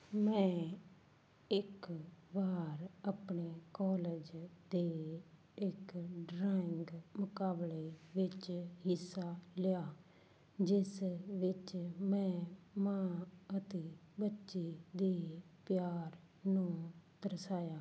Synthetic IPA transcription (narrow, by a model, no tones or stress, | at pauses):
mɛ̃ː | ɪkʋaːɾapɳeːkɔːleːd͡ʒd̪eː | ɪkɖɾaːɪŋɡmʊkaːbleːʋɪt͡ʃɦɪsːaːlɪjaː | d͡ʒɪsʋɪt͡ʃmɛ̃ːmãːət̪eːbətːʃeːd̪eːpjaːɾ | nũːd̪əɾsaːjaː